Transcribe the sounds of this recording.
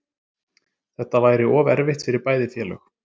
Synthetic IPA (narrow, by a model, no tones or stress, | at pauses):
θɛht̪ːavaːjɾɪɔːvɛɾvɪht̪fɪɾɪɾpaːjðɪfjɛːlœ̰x